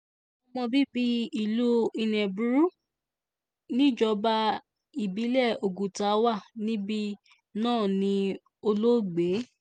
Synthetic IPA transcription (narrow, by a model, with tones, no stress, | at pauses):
ɔ˨˧mɔ̃˧bi˦bi˧i˨lo˦i˧nɛ̃˨bu˨ɾu˦ | nĩ˦d͡ʒɔ˧ba˧ | i˨bi˨˦lɛ˦˨o˨ɡu˨ta˨˦wa˦˨nĩ˦bi˧ | nãː˦˨nĩ˧ | o˧lo˦ɡ͡be˨˦